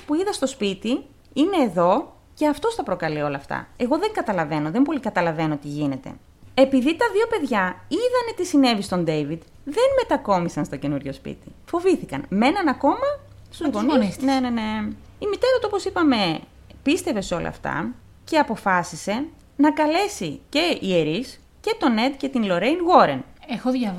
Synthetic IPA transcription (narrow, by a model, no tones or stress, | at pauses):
puiðɐst̪ospit̪i | ine̞ːðo̞ | ce̞ɐft̪o̞sθɐpɾo̞kɐlio̞lɐːft̪ɐ̰e̞ɣo̞ðeŋɡɐt̪ɐlɐve̞no̞ðempo̞likɐt̪ɐlɐve̞no̞t̪iʝine̞t̪e̞̰ | e̞piðit̪ɐðio̞pe̞ðʝɐiðɐnet̪isine̞vist̪o̞nd̪e̞vid̪ | ðe̞nme̞t̪ɐko̞misɐnst̪o̞ce̞nuɾʝo̞spḭt̪i̥fo̞viθikɐ̰nme̞nɐnɐko̞mɐ | st̪uzɣonisnenene̞ | imit̪e̞ɾɐt̪uo̞po̞sipɐme̞ | pist̪e̞ve̞so̞lʔɐ̰ːft̪ɐ̰ | ce̞ɐpo̞fɐsise̞ | nɐkɐle̞sice̞ieɾis | ce̞t̪o̞ne̞t̪ce̞t̪inlo̞ɾe̞jnɣo̞ɾenexoɐ